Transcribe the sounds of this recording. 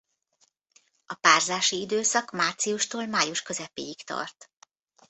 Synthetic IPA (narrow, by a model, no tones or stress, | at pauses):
ɒpaːrzaːʃiid̪øːsɒkmaːrt̪siuʃt̪oːlmaːjuʃkø̞zɛpeːjikt̪ɒ̰rt̪